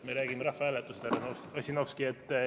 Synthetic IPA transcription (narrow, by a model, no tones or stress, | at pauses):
meɾæːɡimeɾɑhvɑælet̪ːˑuset̪æɾɑnoɑsʲinofskiet̪ː